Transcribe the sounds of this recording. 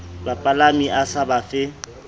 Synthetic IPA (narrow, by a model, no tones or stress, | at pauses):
bapʼalamiʔasabafɪ